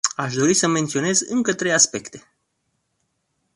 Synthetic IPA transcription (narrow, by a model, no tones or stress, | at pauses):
aʃd̪o̞ɾisəme̞nt̪sio̞ne̞zɨŋkət̪ɾe̞jaspe̞kt̪e̞